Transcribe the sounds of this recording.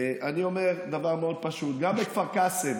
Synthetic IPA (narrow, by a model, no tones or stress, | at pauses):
ʔanio̞me̞ʁd̪avaʁmeo̞d̪̚paʃut̪̚ɡambekvaʁkasev